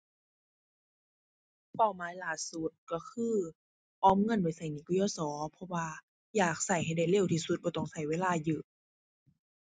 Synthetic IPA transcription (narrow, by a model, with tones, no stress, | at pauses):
pa˧˩wmaː˨˦jlaː˨˩su˧˩t̪̚kɔ˧˩kʰɯː˧˥˨ | ʔɔː˨˥mŋɤ˧˥˨npa˨˩jsa˧˩jniː˧˨ku˧jɔː˧˩sɔː˨˦pʰɔ˧waː˧ | jaː˨˩k̚sa˧˩jɦa˧˩jda˧˩jle˧˩˨wt̪ʰiː˧˩su˧t̪̚bɔː˧˩t̪ɔ˧˩ŋsa˨˧˩jweː˧˥laː˧˩jɯː˧˨˩